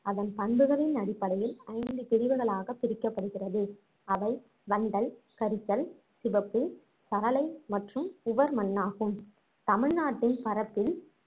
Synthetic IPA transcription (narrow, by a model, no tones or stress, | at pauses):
ɐðɐnp̪ɐɳbɯɣɐɭɪnɐɽɪpːɐɽɐjɪlɐɪnd̪ɯp̪ɪɾɪʋɯɣɐɭaːɣɐpːɪɾɪkːɐpːɐɽɯɣɪrɐðɯ | ɐʋɐɪ | ʋɐɳɖɐɭkɐɾɪt͡ʃːɐl | sɪʋɐpːɯ | sɐɾɐlɐɪmɐʈrɯmʊʋɐɾmɐnːaːɣɯm | t̪ɐmɪɻnaːʈːɪnpɐɾɐpːɪl